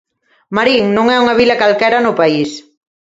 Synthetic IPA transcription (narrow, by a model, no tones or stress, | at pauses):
maɾiŋnõŋɛuŋɐβ̞ilɐkalkɛɾanʊpais